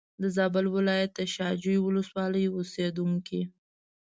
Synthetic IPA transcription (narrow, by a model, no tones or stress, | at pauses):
d̪əzɑbəlwɪlɑjat̪̚ːəʃɑd͡ʒujwʊləswɑləjosed̪uŋki